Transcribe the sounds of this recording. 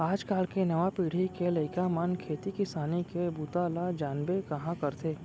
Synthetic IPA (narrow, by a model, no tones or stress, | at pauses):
aːd͡ʒkaːlkenɐʋapiːɽ̤ikelɐɪkamɐnkʰeːt̪ikɪsaːnikebuːt̪aːlad͡ʒaːnbekɐɦãkɐɾt̪ʰeː